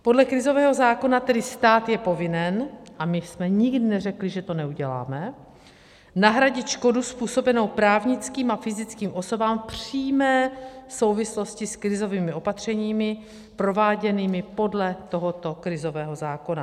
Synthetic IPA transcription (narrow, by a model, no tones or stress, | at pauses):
po̞dlɛkɾɪzo̞vɛːɦo̞zaːko̞nat̪ɛdɪst̪aːt̪jɛpo̞vɪnɛnʔamɪsmɛɲɪɡdɪnɛrɛklɪʒɛt̪o̞nɛuɟɛla̰ːmɛ | naɦɾaɟɪt̪ʃko̞duspuːso̞bɛnowpɾaːvɲɪt͡skiːmafɪzɪt͡skiːmʔo̞so̞baːmpr̥iːmɛːso̞wvɪslo̞scɪskɾɪzo̞viːmɪo̞pat̪r̝̥ɛɲiːmɪ | pɾo̞vaːɟɛniːmɪpo̞dlɛt̪o̞ɦot̪o̞kɾɪzo̞vɛːɦo̞zaːko̞na